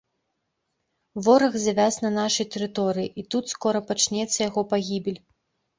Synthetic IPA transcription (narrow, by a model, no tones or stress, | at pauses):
vɔɾɐɣzʲavʲasnɐnaʂɐjt̪ɛɾɨt̪ɔɾɨjiʔit̪ut̪skɔɾɐpat͡ʂnʲɛt̪sːɐjaɣɔpaɣʲibʲɛlʲ